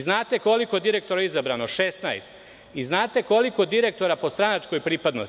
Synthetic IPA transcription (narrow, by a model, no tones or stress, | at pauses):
znaːt̪e̞ko̞liko̞d̪iɾe̞k̚t̪o̞ɾaizabɾano̞ʃesnajst̪ | iznaːt̪e̞ko̞liko̞d̪iɾe̞k̚t̪o̞ɾapo̞st̪ɾanat͡ʃko̞jpɾiːpad̪no̰s